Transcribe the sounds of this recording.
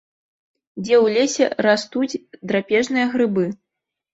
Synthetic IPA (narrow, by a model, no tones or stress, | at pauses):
d͡zʲɛwlʲesʲɛ̰ɾast̪ud͡zʲd̪ɾapʲɛʐnɨjɐɣɾɨbɨ